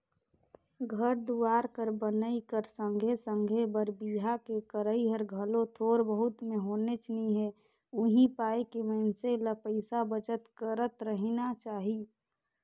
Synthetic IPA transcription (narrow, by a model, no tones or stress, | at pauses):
ɡʱəɾd̪uaːɾkəɾbənəikəɾsə̃ŋɡʱesə̃ŋɡʱebəɾbiɦakekəɾəiɦəɾɡʱəlõt̪ʰoːɾbəɦʊt̪mẽɦoːnet͡ʃniɦɛ | ʊɦĩpaːekeməɪnseləpəɪsabət͡ʃət̪kəɾət̪ɾəɦinat͡ʃaːɦi